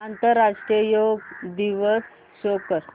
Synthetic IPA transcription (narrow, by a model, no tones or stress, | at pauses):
ant̪əɾːaʂʈɾijəjoɡd̪iʋəs | ɕokəɾ